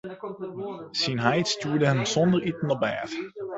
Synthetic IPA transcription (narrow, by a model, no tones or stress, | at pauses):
sinɦajtstuːɹdəɦɛmz̥ɔndəɹitənəbɛ̰ːf